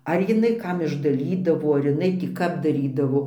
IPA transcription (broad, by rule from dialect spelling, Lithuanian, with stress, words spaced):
ˈɐr jɪˈnɐɪ ˈkɐm ɪʒdɐˈlʲiːdɐʋoː ɐr ɪˈnɐɪ tʲiː ˈkɐp dɐˈrʲiːdɐʋoː